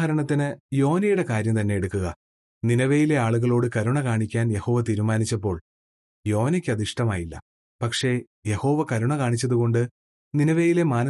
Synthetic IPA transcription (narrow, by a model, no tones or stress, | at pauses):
ɐɾɐɳɐt̪̬ːinɨjo̞ːnɐjuɽe̞kaːɾjɐmt̪ɐnːe̞jeɽukːuɣɐ | ninɐʋejile̞aːɭuɣɐɭo̞ːɽɨkɐɾuɳɐkaːɳikʲːaːnje̞ho̞ːʋɐt̪iːɾumaːnit͡ɕːɐpːo̞ːɭ | jo̞ːnikʲːɨɐðiʂʈɐmaːjilːɐ̰ | pɐkʂe̞ | je̞ho̞ːʋɐkɐɾuɳɐkaːɳit͡ɕːɐðuko̞ɳɖɨ | ninɐʋejile̞maːnɐ